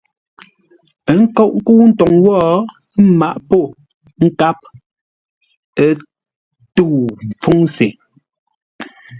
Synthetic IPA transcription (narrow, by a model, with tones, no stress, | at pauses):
ə˨˦ŋ̩˦kɔ˦˨ʔŋ̩˦ku˦n̩˦tɔ˨ŋwɔː˦ | ma˦˨ʔpo˦˨ | ŋ̩˦ka˦p̚ | ə˦ | tu˦˨m˨p͡fu˦ŋse˨